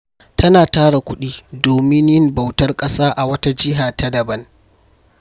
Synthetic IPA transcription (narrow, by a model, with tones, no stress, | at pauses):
tɐ˦naː˨taː˦ɽa˨kʷʊ˦ɗiː˦doː˨mɪ˦njɪ˦mba˨wtɐ˦rkʼɐ˦saː˦ʔa˨wɐ˦ta˦d͡ʒɪ˦ɦaː˨ta˦dɐ˨bɐ˦n